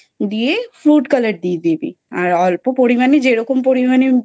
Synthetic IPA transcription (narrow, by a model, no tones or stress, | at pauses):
d̪iefɾuːʈkɐlɐʈ̚d̪iːd̪ipḭ | aalpupoɽimɐnid͡ʒeɽokumpoɽimɐni